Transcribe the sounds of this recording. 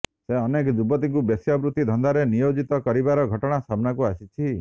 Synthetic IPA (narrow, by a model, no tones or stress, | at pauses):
seɔnekɔd͡ʒubɔt̪iŋkubjesjɔbɾut̪ːid̪ʱɔnd̪aɾenijod͡ʒit̪ɔkɔɾibaɾɔɡʱɔʈɔɽ̃asabnakuasit͡ʃʰi